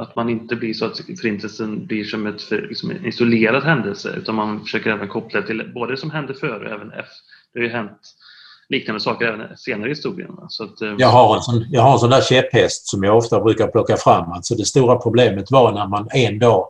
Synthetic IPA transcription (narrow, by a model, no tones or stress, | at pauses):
at̪manɪnt̪əblɪʂɔat̪fœɾɪnt̪ʰəlsənblɪʂɔmɛt̪fœlɪ̰ksɔmɪsʊleːɾad̪ɦɛnd̪əlsə̰ʉ̟̰ːt̪anmanfœ̥ʂøːkəɾɛːvənkʰɔpːlad̪ɛt̪ʰɪlboːd̪əd̪ɛsɔmɦɛnd̪əɾfœːɾɔ̰ɛ̰ːvənɛ̰f | d̪̥ɛhaɾjɵɦɛnt̪ | liːknand̪əsɑːkəɾɛːvənseːnaɾəhɪst̪uːɾɪ̰ə̰nasɔat̪jɑɡɦaɾɛnsɔnjɑɡɦaɾɛns̬ɔnd̪æːɾɕɛpːhɛst̪sɔmjɑɡɔft̪abɾʉ̟ːkaɾpʰlɔkːafɾamːalt̪sɔd̪ɛst̪uːɾapʰɾʊbleːmət̪vɑɾnæɾmanɛnd̪ɑː